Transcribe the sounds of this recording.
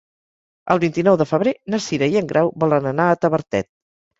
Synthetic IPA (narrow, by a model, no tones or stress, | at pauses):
ə̰lˠβint̪inɔwðəfəβ̞ɾenəsiɾəiəŋɡɾʔawβɔlənənaət̪əβəɾt̪ɛ̰t̪̚